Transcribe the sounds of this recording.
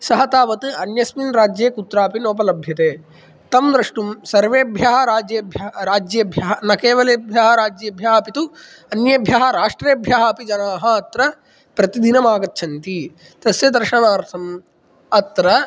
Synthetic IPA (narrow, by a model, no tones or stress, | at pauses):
sɐɦɐt̪aːʋɐt̪ɨɐnjɐsminɾaːd͡ʒjeːkut̪ɾaːpinoːp̬ɐlɐbʱjɐt̪eː | t̪ɐmd̪ɾɐʂʈumsɐɾʋeːbʱjaɦɐɾaːd͡ʒjeːbʱjɐɾaːd͡ʒjɐbʱjaɦɐnɐkeːʋɐleːbʱjaːɦɐɾaːd͡ʒjɐɐbʱjaːɦpit̪u | ɐnjɐbʱjaːɦɐɾaːʂʈɾeːɐbʱjaːɦaːpid͡ʒɐnaːɦɐɐt̪ɾɐ | pɾɐt̪id̪inɐmaːɡɐtːt͡ʃʰɐnt̪i | t̪ɐsjɐd̪ɐɾʂɐnaːɾt̪ʰɐm | ɐt̪ɾɐ